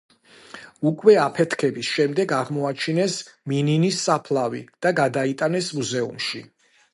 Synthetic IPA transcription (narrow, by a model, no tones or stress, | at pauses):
ukʼwɛapʰɛt̪ʰkʰɛbisʃɛmd̪ɛɡaʁmɔat͡ʃʰinɛsmininisːapʰlˠavḭd̪̥aɡad̪ait̪ʼanɛsmuzɛṵmʃi